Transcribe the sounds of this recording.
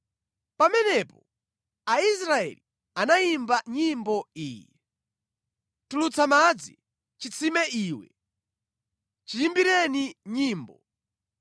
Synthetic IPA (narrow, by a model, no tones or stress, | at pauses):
pamɛnɛpɔ | ais̬ɾaɛ̰li | anajimbaɲimbɔiːjɛ | tulut͡sʰamad͡zḭ | t͡ʃit͡sʰimɛʔiːwɛ | t͡ʃijimbiɾɛniɲiːmbɔ